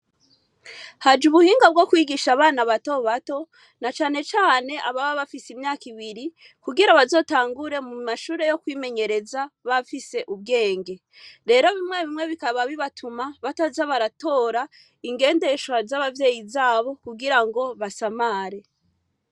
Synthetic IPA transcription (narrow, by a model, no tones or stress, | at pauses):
had͡ʒuβuhiːŋɡab̚ɡo̞kwiːɡiʃaβaːnaβato̞βato̞ | nat͡ʃaːne̞t͡ʃaːne̞ʔaβaβaβafisimɲaːkiβiɾi | kuɡiɾaβazo̞ːtaːŋɡuɾe̞mumaʃuːɾe̞jo̞kwiːme̞ɲe̞ɾe̞zaβafise̞ʔub̚ɡe̞ːŋɡe̞ | ɾe̞ɾo̞βimŋe̞βimŋe̞βikaβaβiβatʰumaβatazaβaɾato̞ːɾa | iŋɡe̞ːnde̞ʃwazaβavje̞ːjizaːβo̞kuɡiɾaŋɡo̞βasamaːɾe̞